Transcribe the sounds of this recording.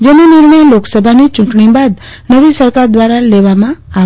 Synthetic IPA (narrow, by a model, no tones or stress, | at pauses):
d͡ʒenuniɾɳəjloksəbʱanit͡ʃuɳʈɳibad̪ | nəʋisəɾkaɾd̪ʋaɾaleʋamãaʋ